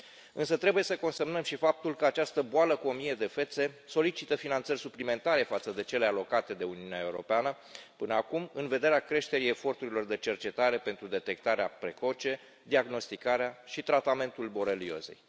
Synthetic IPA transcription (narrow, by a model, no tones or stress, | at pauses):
ɨnsət̪ɾe̞buje̞səko̞nsemnəmʃifap̚t̪ulkəat͡ʃast̪əboaləkuo̞mije̞d̪e̞fe̞t̪se̞so̞lit͡ʃit̪əfinant̪sərʲsuplime̞nt̪aɾe̞fat̪səd̪e̞t͡ʃe̞lealo̞kat̪e̞d̪e̞uniunae̞uɾo̞̰peanə | pɨnəakumɨnve̞d̪e̞ɾeakɾe̞ʃt̪e̞ɾije̞fo̞rt̪uɾilo̞rd̪e̞t͡ʃe̞rt͡ʃe̞t̪aɾe̞pent̪ɾud̪e̞t̪e̞k̚t̪aɾeapɾe̞ko̞t͡ʃe̞ | d̪iaɡno̞st̪ikaɾeaʃit̪ɾat̪ame̞nt̪ulbo̞ɾelio̞̰ze̞̰j